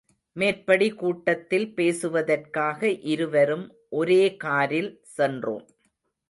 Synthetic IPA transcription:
meːrpɐɽikuːʈːɐt̪ːɪlpeːsɯʋɐðɐrkaːɣɐʔɪɾɯʋɐɾɯm | ʔɔɾeːkaːɾɪl | sɛndro̰ːm

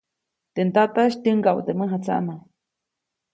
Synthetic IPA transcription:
t̪ent̪at̪aʃt̪ʲəŋɡawt̪eməɦat͡sa̰ʔna

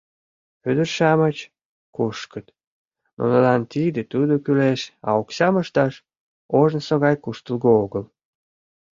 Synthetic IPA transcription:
ød̪ərʃɑmət͡ɕ | kuʃkət̪ | nʔṵnəlɑnt̪id̪et̪ud̪okyleʃɑ̰oksɑməʃt̪ɑʃ | oʒnsoɣɑjkuʃt̪əlɣooɣəl

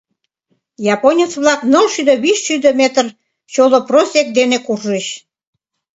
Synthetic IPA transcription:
jɑponʲət͡sβlɑknəlʃyd̪əβiʃːyd̪əmet̪ər | t͡ɕoloprosʲek̚d̪enekurʒeɕ

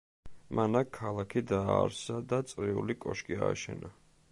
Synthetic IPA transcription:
mʔanakʰːalˠakʰid̪aːɾsad̪at̪sʼɾiṵlikʼɔʃkʼia̰ːʃɛ̰na

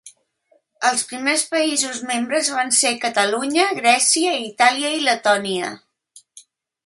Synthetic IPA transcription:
əlˠspɾimespəizuzmembɾəzβansekət̪əluɲəɣɾɛsiəit̪aliəilət̪ɔniə̰

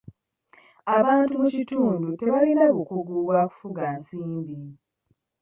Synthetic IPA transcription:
aβaːntumucituːndute̞βalinaβukuɡuːβwaːku̥fuɡansiːmbi

